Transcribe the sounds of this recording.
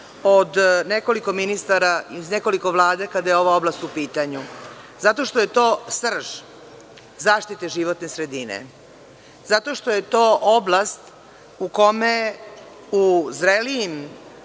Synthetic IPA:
od̪neko̞liko̞minist̪aɾaizneko̞liko̞ʋlˠaːd̪akad̪ajeo̞ʋao̞blast̪upiːt̪aɲu | zat̪o̞ʃt̪o̞jet̪o̞ːsr̩ʒ̥ | zaːʃt̪it̪eʒiʋot̪nesɾe̞d̪inḛ | zat̪o̞ʃt̪o̞je̞t̪o̞ːʔoblˠast̪ | uko̞me | uzɾelijim

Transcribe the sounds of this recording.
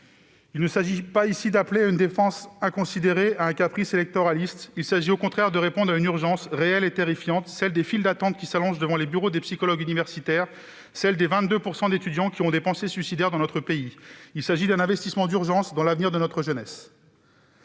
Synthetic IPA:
ilnəsaʒipaisid̪apleaynd̪efɑ̃sɛ̃kɔ̃sid̪eʁeaɛ̃kapχiselɛk̚t̪ɔʁalist̪ilsaʒiokɔ̃t̪χɛʁd̪əʁepɔ̃d̪ʁaynyʁʒɑ̃sʁeɛlet̪eʁifjɑ̃t̪sɛld̪efild̪at̪ɑ̃t̪̚kʲisalɔ̃ʒd̪əvɑ̃lebyʁod̪epsikɔlɔɡynivɛʁsit̪ɛʁ | sɛld̪evɛ̃t̪d̪øpuʁsɑ̃d̪et̪yd̪jɑ̃kʲiɔ̃d̪epɑ̃sesɥysid̪ɛʁd̪ɑ̃nɔt̪χəpeiilsaʒid̪ɛ̃nɛ̃vɛst̪ismɑ̃d̪yʁʒɑ̃sd̪ɑ̃lavniʁd̪ənɔt̪χəʒənɛs

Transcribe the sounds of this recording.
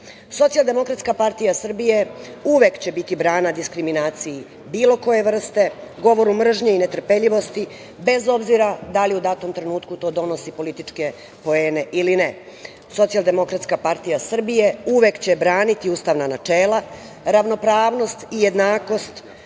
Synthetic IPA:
so̞t̪sijalˠd̪e̞mo̞kɾat̪skapaɾt̪ijasr̩bije̞uʋe̞kt͡ɕe̞bit̪ibɾaːnad̪iskɾiminaːt̪siji | biːlo̞ko̞je̞ʋr̩st̪e̞ɡo̞ʋo̞ɾumr̩ʒɲeinet̪r̩peʎiʋo̞st̪i | be̞zo̞bziɾad̪aliud̪at̪o̞mt̪ɾe̞nuːt̪kut̪o̞ːd̪o̞no̞sipo̞lit̪it͡ʂke̞ | po̞eːne̞ʔiline | so̞t̪sialˠd̪e̞mo̞kɾat̪skapaɾt̪ijasr̩bije̞uʋe̞kt͡ɕe̞bɾaːnit̪iuːst̪aʋnanat͡ʂeːlˠa | ɾaʋno̞pɾaːʋno̞st̪ije̞d̪naːko̞st̪

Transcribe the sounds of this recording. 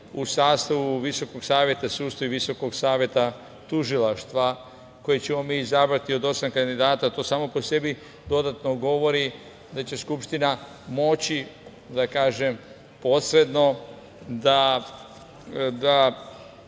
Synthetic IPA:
usaːst̪aʋuʋiso̞ko̞ɡsaːʋje̞t̪asuːst̪oiʋiso̞ko̞ɡsaːʋje̞t̪a | t̪uʒilˠaʃt̪ʋa | ko̞jet͡ɕe̞mo̞miːzabɾat̪io̞d̪o̞samkand̪id̪aːt̪at̪o̞ːsaːmo̞po̞se̞bi | d̪o̞d̪at̪noɡo̞ʋo̞ɾi | d̪at͡ɕe̞skupʃt̪ina | mo̞t͡ɕi | d̪akaːʒe̞m | po̞sɾe̞d̪no̞ | d̪a | d̪a

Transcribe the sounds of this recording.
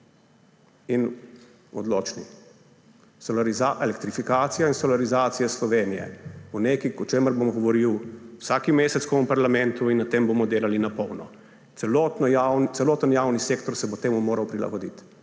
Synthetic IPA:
in | ɔd̪loːt͡ʃnḭ | sɔlaɾizaʔelɛkt̪ɾifikaːt̪sijainsɔlaɾizaːt̪sijɛslɔʋeːnijɛ̰uneːkikɔt͡ʃeːməɾbomɡɔʋɔɾiwwsaːkimeːsɛt̪koɔmpaɾlamɛ̃nt̪uinːat̪eːmboːmɔd̪eːlalinapɔwnɔ̰ | ɛlɔt̪nawt̪sɛloːt̪ənjaːwniseːkt̪ɔɾsɛbot̪eːmumoːɾawpɾila̰ɡɔd̪ḭt̪

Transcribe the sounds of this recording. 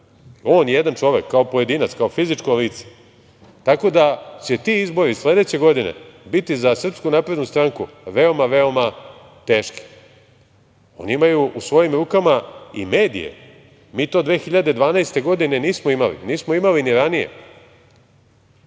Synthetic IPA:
o̞ːnjjed̪ant͡ʂo̞ʋe̞kʰːaopo̞je̞d̪iːnat̪skao̞fizit͡ʂkoliːt̪se̥ | t̪ako̞d̪at͡ɕet̪iizbo̞ɾisle̞d̪e̞t͡ɕe̞ɡo̞d̪ine̞̰bit̪izasr̩pskunapɾe̞d̪nust̪ɾaŋkuʋe̞o̞maʋe̞o̞ma | t̪e̞ːʃki̥ | o̞̰niimajuʔusʋo̞jimɾuːkamaḭme̞ːd̪ḭjḛ | miːt̪o̞d̪ʋe̞ːxiʎad̪ed̪ʋaːnaest̪e̞ɡo̞d̪ine̞niːsmoimalḭniːsmoimaliniɾanijḛ

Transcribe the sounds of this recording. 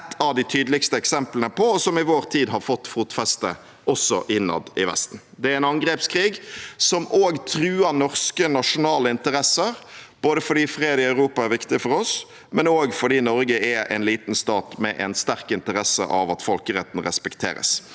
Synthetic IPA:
ɛt̪ʰːɑʋd̪ɪt̪ʰyːd̪lɪkst̪əɛksɛmplənəpʰɔɔsɔmɪʋoːɾt̪ʰiːd̪ɦɑɾfɔt̪ːfuːt̪fɛst̪ə | ɔsɔ̰ʔɪnːɑ̰d̪ɪʋɛ̰st̪n̩ | d̪ɛæɾɛɪnɑŋɡɾeːpskʰɾiːɡsɔmʔoːɡt̪ʰɾʉːɑnɔʁskənɑʂʊnɑːləɪnt̪əɾɛsəɾb̥oːd̪əfɔɖiːfɾeːd̪ɪɑʉɾuːpɑæɾʋɪkt̪ɪfɔɾɔs | mɛnoːɡfɔɖiːnɔɾɡəɛʔɛ̰nliːt̪nst̪ɑːt̪mɛ̰ʔɛ̰nst̪æʁkɪnt̪əɾɛsːə̰ʔɑʋɑt̪fɔlkəɾɛt̪n̩ʁɛspɛkt̪ʰḛːɾə̰s

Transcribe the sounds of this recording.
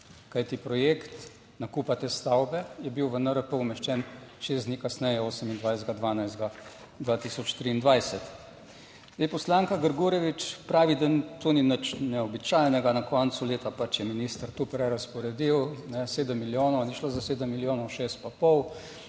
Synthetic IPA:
kajt̪ipɾɔjekt̪ | nakuːpat̪ɛst̪awbɛjɛbiwʋənəɾəpəumɛʃt͡ʃɛnʃeːzd̪nikasnɛjɛoːsəmind̪ʋajzd̪ɡad̪ʋaːnajzd̪ɡa | d̪ʋat̪isɔt͡ʃt̪ɾiːnd̪ʋajsɛt̪ | d̪epɔslaːŋkaɡəɾɡuːɾɛʋit͡ʃpɾaːʋid̪ənt̪oninət͡ʃnɛɔbit͡ʃajnɛɡanakɔnt̪suleːt̪apat͡ʃjɛminiːst̪əɾt̪upɾɛɾaspɔɾɛd̪iwnɛseːd̪əmːiljoːnɔwnɛʃlozaseːd̪əmːiljoːnɔʃeːst̪̚papɔw

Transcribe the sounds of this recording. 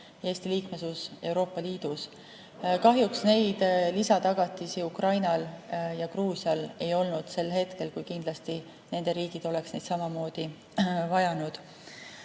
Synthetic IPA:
e̞ːsʲt̪iliːkmesuse̞wɾo̞ːpːˑɑliːd̪̥us | kɑɦjuksne̞jd̪̥lisɑt̪ɑɡ̥ɑt̪ːˑisiukrɑjnɑljɑkruːsjɑle̞jo̞lnud̪̥se̞lhe̞t̪ke̞lkujkind̪̥lɑst̪i | ne̞nd̪̥e̞ɾiːɡ̥id̪̥o̞le̞ksnejd̪sɑmɑmo̞ːd̪̥i | vɑjɑnud̪̥

